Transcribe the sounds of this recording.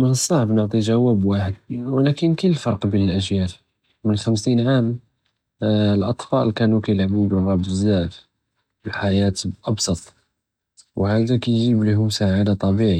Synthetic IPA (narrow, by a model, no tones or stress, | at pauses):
mənəsˤːɑʕbnəʕt̪ˤiʒæwæbwaħəd̪̚wlækənkəlːfɑɾˤqbinəlʔəʒjæl | mənxæmsinʕam | əlʔɑt̪ˤfɑʔlkænukæjlʕmibəlɣɑb̪əzːæʔf | bəlħajæt̪ʔɑbsˤɑt̪ˤ | whæd̪ækæjʒibliɦʊmsaʕad̪at̪ˤɑbiʕi